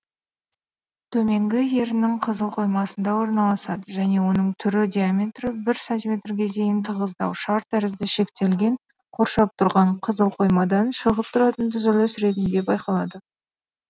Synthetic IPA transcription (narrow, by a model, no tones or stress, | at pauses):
t̪ʰɵme̞ŋɡʲɪje̞ɾɪnɪŋqʰəzəlˠqʰo̞jmɑsənd̪ɑwo̞ɾnɑlˠɑsɑd̪əʒæne̞wo̞nəɴt̪ʰʏɾɪd̪ʲijamʲe̞t̪rəbɪɾsant̪ʲijmʲe̞t̪rɡʲe̞d̪e̞jɪnt̪ʰəʁəzd̪ɑ̰wʃɑɾt̪æɾɪzd̪ɪʃe̞kt̪e̞lɡʲe̞ɴ | qʰo̞ɾʃɑp̚t̪ʰʊɾʁɑɴqʰəzəlˠqʰo̞jmɑd̪ɑnʃəʁəp̚t̪ʰʊɾɑt̪ənt̪ʰʏzɪlʲesɾe̞t̪̬ɪnd̪e̞bɑjqɑlˠɑd̪ə